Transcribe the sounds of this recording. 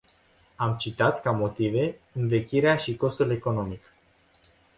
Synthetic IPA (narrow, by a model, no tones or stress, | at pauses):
amt͡ʃit̪at̪kamo̞t̪ive̞ɨnve̞kʲiɾeaʃiko̞st̪ule̞ko̞no̞mik